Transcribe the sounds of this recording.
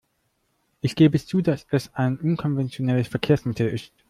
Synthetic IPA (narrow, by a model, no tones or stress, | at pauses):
ʔɪçɡ̥eːbəɛst͡suːdasɛsaɪnʔʊnkʰɔnvɛnt͡sjonɛləsfɛɐkʰeːɐsmɪtʰl̩ɪst